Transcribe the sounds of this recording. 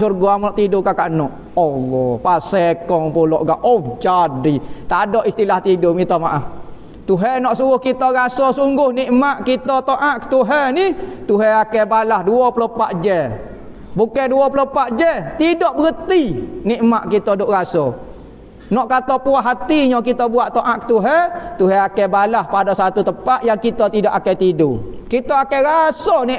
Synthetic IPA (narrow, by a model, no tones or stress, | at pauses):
surɡɔamɔʔt̪idʊkakaʔnɔʔ | ɔlːɔpasɛkɔŋpulɔʔɡaʔod͡ʒadit̪adɔʔist̪ilaht̪idʊʔmit̪ɔmaʔah | t̪uɦɛnɔʔsuŋɡʊhkit̪ɔɣasɔsuŋɡʊhniʔmaʔkit̪ɔt̪oʔaʔkə̥t̪uɦɛnit̪uɦɛakɛbalahduɔpəlopaʔd͡ʒɛ | bukɛduɔpəlopaʔd͡ʒɛt̪idɔʔbəɣət̪iniʔmaʔkit̪ɔdʊʔɣasɔ | nɔʔkat̪ɔpuaɦːat̪iɲɔ̃kit̪ɔbuaʔt̪oʔaʔkə̥t̪uɦɛt̪uɦɛakɛbalahpadɔsat̪ut̪əpaʔ̪jaŋkit̪ɔt̪idɔʔakɛt̪idṵkit̪ɔakɛɾasɔniʔ